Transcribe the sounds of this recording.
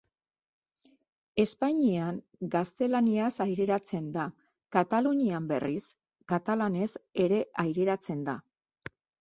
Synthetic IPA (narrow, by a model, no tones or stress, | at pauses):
e̞spaɲiaŋ | ɡast̪e̞laniasajɾe̞ɾat͡se̞nd̪a | kat̪aluɲiambe̞̰ris | kat̪alane̞se̞ɾe̞ʔajɾe̞ɾat͡se̞nd̪a